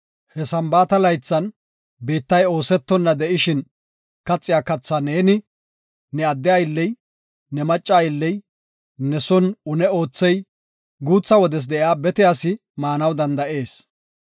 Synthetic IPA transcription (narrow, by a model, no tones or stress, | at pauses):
hɛsɐmbaːt̪ɐlɐjt͡sːɐn | biːt̪ːɐjo̞ːsɛt̪ːɔnːɐd̪ɛʔɪʃɪn | kɐt͡sʼːɪjaːkɐt͡sːaneːnɪ | nɛɐd̪ːɪɐjɪlːɛj | nɛmɐt͡ʃʼːaːjɪlːɛj | nɛsɔnʊnɛo̞ːt͡sːɛj | ɡuːt͡sːɐwɔd̪ɛs̬d̪ɛʔɪaːbɛt̪ɪjaːsɪ | maːnɐwd̪ɐnd̪ɐʔe̞ːs